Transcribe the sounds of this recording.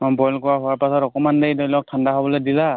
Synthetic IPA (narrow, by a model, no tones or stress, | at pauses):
mɔnbɔjlkɔwaɦuwaɹpasɔtɔkɔmandejdɔjlɔk̚tʰandaɦɔbɔlɔjdila